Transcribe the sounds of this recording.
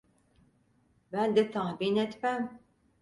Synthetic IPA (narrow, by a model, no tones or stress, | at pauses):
bænd̪ɛt̪ʰaɦbinɛt̪bæm